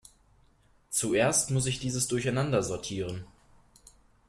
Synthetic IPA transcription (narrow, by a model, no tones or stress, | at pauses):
t͡suʔeːɐstmʊs̬ɪçd̥iːzəsd̥ʊɐçaɪnandɐzɔɐtʰiːʁ̞ən